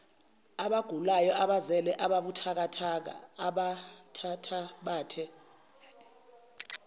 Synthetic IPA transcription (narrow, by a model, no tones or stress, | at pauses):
aɓaɡ̥ʱulajɔʔaɓazɛlɛʔaɓaɓutʰak̬atʰak̬a̰aɓatʰatʰaɓaːtʰɛ